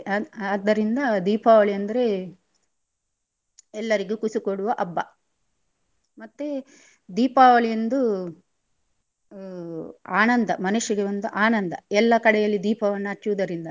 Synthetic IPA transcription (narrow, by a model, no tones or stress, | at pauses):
aːd̪ːɐɾind̪ɐd̪iːpaːʋɐɭiɐnd̪ɐɾe̞ | ɛlːɐɾiɡekusikoɽuʋɐʔɐbːɐ | mɐt̪ːe | d̪iːpaːʋɐɭiend̪u | a̰ːnɐnd̪ɐmɐnuʂiɡeond̪uʔaːnɐnd̪ɐɛlːɐkɐɽɛjɐlːid̪iːpɐʋɐnːɐɐt͡ʃːuʋd̪ɐɾind̪ɐ